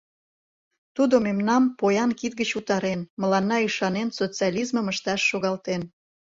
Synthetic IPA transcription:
t̪ud̪omemnɑmpojɑnkit̪̚ɡət͡ɕut̪ɑɾenməlɑnːɑyʃɑnensot͡siɑlʲizməməʃt̪ɑʃːoɣɑlt̪en

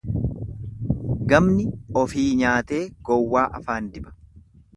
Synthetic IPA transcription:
ɡɐmnɪɔfiːɲaːt̪e̞ːɡ̥ɔwːaːʔɐfaːnd̪ɪbɐ̥

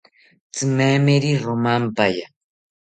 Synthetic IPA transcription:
t͡sɨmemeɾiɾomampaja

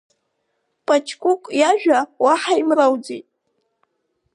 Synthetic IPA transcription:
pʼat͡ʃʰkʷʼʊkʷʼjaʒᶣawaħaimrawd͡zejtʼ

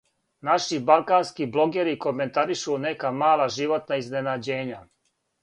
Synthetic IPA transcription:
naʃibalkaːnskibloɡɛɾikomɛnt̪aɾiʃuːnɛkamaːlaʒiʋot̪naiznɛnaːd͡ʑeɲa

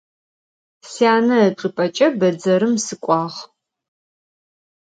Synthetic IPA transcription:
siaːnɐːʈ͡ʂʼɨpʼɐt͡ʃʼɐbɐd͡zɐɾɨmsɨkʷʼɑːʁ

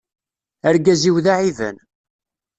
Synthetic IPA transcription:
əɾɡæziwðaʕivə̰n

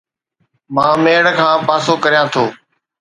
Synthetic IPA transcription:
mãːmeːɽkʰãːpaːsoːkəɾijãːt̪ʰoː

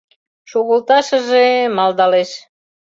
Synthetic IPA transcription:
ʃoɣəlt̪ɑʃəʒemɑld̪ɑleʃ

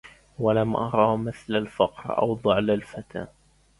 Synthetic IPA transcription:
walamʔɑ̰ɾˤɑːmɪθlalfɑqɾʔa̰wd̪ˤɑʕlalfat̪a̰ː

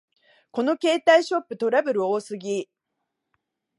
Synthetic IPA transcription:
ko̞no̞ke̞ːt̪aiɕo̞pːɯ̟t̪o̞ɾabɯ̟ɾɯ̟oːsɨɡʲi

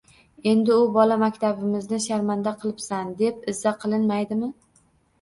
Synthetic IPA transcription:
e̞nd̪ɪʊbɒlamakʲt̪ʰabɪmɪznɪʃaɾmand̪aqʰɨlˠɪpsand̪e̞pɪzːaqʰɨlˠɪnmajd̪ɪmɪ

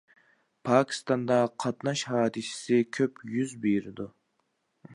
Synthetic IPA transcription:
pʰɑːkʲʰi̥st̪ɑnd̪ɑqʰɑt̪nɑʃhɑːd̪ɨsɪ̥sɪkʲʰøpjyzbejɾɪd̪u

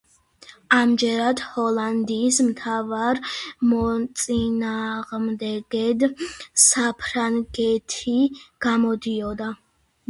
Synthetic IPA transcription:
amd͡ʒɛɾad̪hɔland̪iːsmt̪ʰavaɾmɔt̪sʼinaʁmd̪ɛɡɛd̪sapʰɾaŋɡɛt̪ʰiɡ̥amɔd̪iɔd̪a

